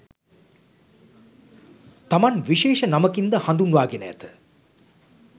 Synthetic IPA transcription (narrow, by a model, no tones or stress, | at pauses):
t̪amanʋiʃeːʃənaməkind̪əhand̪unʋaːɡenəja̰t̪ə